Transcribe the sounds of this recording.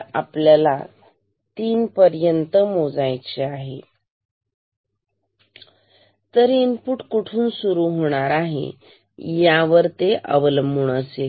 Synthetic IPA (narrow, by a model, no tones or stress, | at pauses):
apljala | t̪iːnpəɾjənt̪əmod͡zajt͡ɕeaɦḛ | t̪əɾinpuʈkuʈʰuːnsuɾuɦoɽ̃aɾaɦḛ | jaʋəɾt̪eʔə̰ʋələmbuɳ̃əse